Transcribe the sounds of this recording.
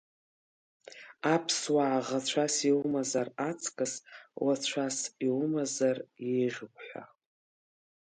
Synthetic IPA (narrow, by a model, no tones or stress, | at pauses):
apʰswaːʁat͡ɕʷʰasiwmazarat͡sʰʼkʼɨswat͡ɕʷʰasiwmazarjejʁʲɪkʷʰʼħʷa̰